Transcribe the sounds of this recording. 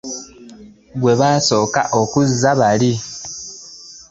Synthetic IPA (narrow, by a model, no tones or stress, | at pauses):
ɡwe̞βaso̞ːka̰ʔo̞kuzːaβali